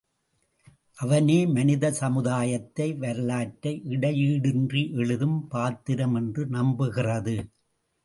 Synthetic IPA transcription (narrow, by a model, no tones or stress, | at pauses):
ʔɐʋɐneːmɐnɪðɐsɐmɯðaːjɐt̪ːɐɪʋɐɾɯlaːʈːɐɪʔɪɽɐjiːɽɪndriʔɛɻɯðɯmpaːt̪ːɪɾɐmɛndrɯnɐmbɯɣɪrɐðɯ